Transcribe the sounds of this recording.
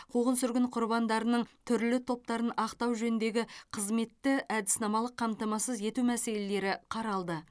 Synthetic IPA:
qʰuʁənsʏɾɡʲɪɴqʰʊɾbɑnd̪ɑɾənəɴt̪ʰʏɾlɪt̪ʰo̞p̚t̪ɑɾənɑqt̪ɑwʒɵnɪnd̪e̞ɡʲɪqʰəzme̞t̪ːɪʔæd̪ɪsnɑmɑlˠəqʰːɑmt̪ɑmɑsəzje̞t̪umæse̞le̞le̞ɾɪqʰɑɾɑlˠd̪ə

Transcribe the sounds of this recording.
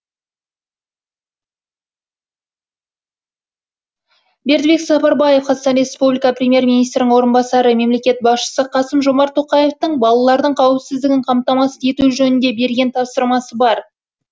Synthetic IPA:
be̞ɾd̪be̞ksɑpɑɾbɑje̞fqɑzɑst̪ɑnɾʲe̞spublʲikɑprʲemʲje̞ɾmʲinijst̪ɾɪnɪŋwo̞ɾənbɑsɑɾəme̞mle̞kʲe̞t̪̚bɑsʃə̥səqʰɑsəmʒo̞mɑɾt̪ʰːo̞qɑjeft̪əɴbɑlˠɑlˠɑɾd̪əɴqʰɑwəpsɪzd̪ɪɡʲɪɴqʰɑmt̪ɑmɑsəe̞t̪uʒɵnɪnd̪e̞be̞ɾɡʲe̞nt̪ʰɑpsəɾmɑsəbɑɾ

